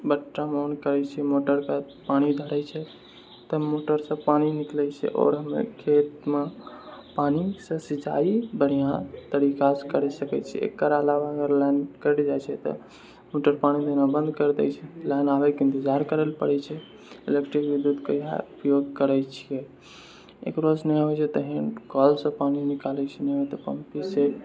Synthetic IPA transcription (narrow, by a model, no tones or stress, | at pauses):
bəʈːamɔnkəɾɛt͡ʃʰɛmoʈəɾka | paɽ̃id̪ʱəɾɛt͡ʃʰɛ | t̪əmoʈəɾsə̃paniniklɛt͡ʃʰɛ̰ʔɔ̰ːɾɦəmḛkʰet̪mepanisə̃sid͡ʒa̰ibəɽ̤ijãt̪əɾikaskəɾɛsəkɛt͡ʃʰiɛ̰ḛkːəɾaəlaʋaəɡəɾlɛnkəɾɛld͡ʒajt͡ʃʰɛt̪ɔ̰ | moʈəɾpanid̪enãbə̃nd̪kəɾd̪ɛjt͡ʃʰɛlɛnabɛkɪ̃nt̪id͡ʒaɾkəɾəlpəɽɛt͡ʃʰɛ | ilekʈɾikbid̪ud̪kəiɦa̰upjoɡkəɾɛt͡ʃʰije | ḛkɾosnɛɦoɛt͡ʃʰɛt̪əɦĩkɔlsə̃paninikalɛt͡ʃʰɛnɛɦot̪ɔpəmpise